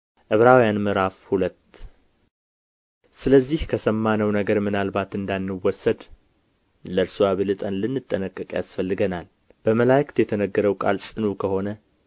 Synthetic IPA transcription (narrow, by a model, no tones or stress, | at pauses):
ʔɨβɾawjanmɨɾafhulət̪ | sɨləzːihkʰəsəmːanəwnəɡəɾmɨnalbat̪ɨnd̪anːɨwɔsːəd̪ | ləɾsuwaβɨlɨt̪ʼənlɨnːɨt̪ʼːənəkʼːɨkʼja̰sfəlːɨɡənal | b̥əməlajkt̪jɛt̪ʰənəɡːəɾəwkʼa̰lsʼɨnukʰəho̞nə